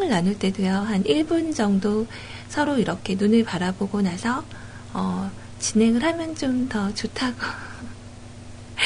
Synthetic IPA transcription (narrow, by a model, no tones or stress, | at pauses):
ŋɯɭːanɯɭt͈e̞dujʌɦaniɭbund͡ʑʌŋdo | sʰʌɾoiɾʌkʰe̞nunɯɭpaɾaboɡonasʰʌ | ʌ | t͡ɕine̞ŋɯɭhamjʌnt͡ɕomtʌt͡ɕotʰaɡo